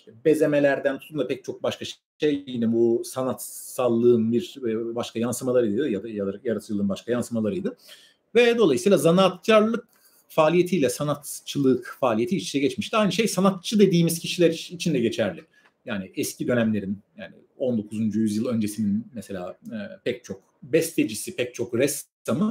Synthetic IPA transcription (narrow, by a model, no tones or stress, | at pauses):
be̞ze̞me̞lʲæɾd̪ænt̪ʰu̥t̪ʰumapɛc̚t͡ʃʰo̞k̚baʃkaʃ | ejinɛbusanat̪salˠːɯːɯnbiɾbaʃkʰajansɯmalˠaɾɯjd̪d̪ɯjad̪ajad̪ajaɾat̪ʰɯlˠɯːnbaʃkʰajansɯmalˠaɾɯjd̪ɯ | vɛd̪o̞lˠajɯsiːlˠazanat̪̚caɾlˠɯk | faːlʲije̞t̪ʰijlʲɛsanat̪t͡ʃʰɯlˠɯkfaːlʲijeiːt͡ʃʰinɛɟɛt͡ʃmiʃt̪iajnɯʃe̞jsanat̪̚t͡ʃʰɯd̪e̞d̪iːmiz̥cʰiʃilʲæɾit͡ʃʰind̪ɛɟet͡ʃʰæɾlʲɪ | jaːnɪɛscid̪ø̞næmlʲe̞ɾinjaːnɪ̰ | o̞nd̪o̞kʰuzund͡ʒujyzjɯlˠø̞nd͡ʒe̞sininmɛse̞lʲa̰ːpɛc̚t͡ʃʰo̞k̚ | bɛst̪ʰed͡ʒisipʰɛc̚t͡ʃʰo̞kɾɛst̪ʰamɯ